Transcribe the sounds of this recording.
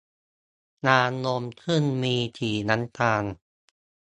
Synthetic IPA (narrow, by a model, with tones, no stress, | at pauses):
naː˧no˧mk̪ʰɯ˥˩nmiː˧t̪ʰiː˨˩na˦˥nt̪aː˧n